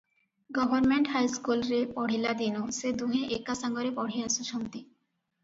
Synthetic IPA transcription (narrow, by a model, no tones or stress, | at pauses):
ɡɔbʱoɾmeɳʈɦajskulɾepɔɽ̤ilad̪inosed̪uɦeʔekːasaŋɡoɾepɔɽ̤iasuʃomt̪i